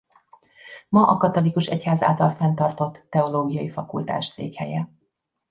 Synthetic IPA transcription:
mɒʔɒkɒt̪o̞likuʃɛchaːza̰ːlt̪ɒlfɛnt̪ɒrt̪o̞t̪ːɛo̞loːɡijɒifɒkult̪a̰ːʃt̪sḛːkhɛjɛ

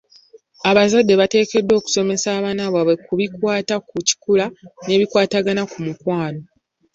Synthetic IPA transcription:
aβazadːe̞βate̞ːke̞dːo̞ːku̥so̞me̞saːβaːnaβaβwe̞kuβikwaːtakuci̥kulane̞ːβikwaːtaɡanakumukwaːlo̞

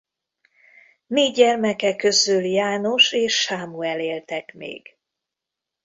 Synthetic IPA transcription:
neːɛrmɛkɛkːø̞zyljaːno̞ʃeːʃːaːmuɛleːlt̪ɛkmḛːɡ̥

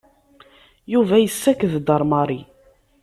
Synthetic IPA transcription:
juvæjəsːækðd̪ɑɾˤmɑɾˤi

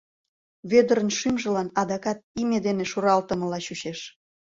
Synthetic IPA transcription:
βød̪əɾənʃymʒə̆lɑnɑd̪ɑkɑt̪̚imed̪eneʃuɾɑlt̪ə̆mə̆lɑɕuɕeʃ

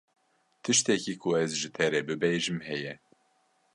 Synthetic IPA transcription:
t̪ʰɨʃt̪ɛkiːkʰʊɛzʒɨt̪ʰɛɾɛbɨbeʒɨmhɛjɛ

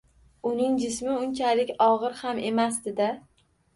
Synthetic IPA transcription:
ʊnɪŋd͡ʒɪsmɪʊnt͡ʃʰalɪkʲɒʁɨɾhame̞masd̪ɪd̪a

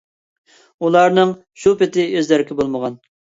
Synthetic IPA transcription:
ulˠɑɾnɨŋ | ʃupɪt̪ʰɪøzlæɾkʲɪbolˠməʁɑn

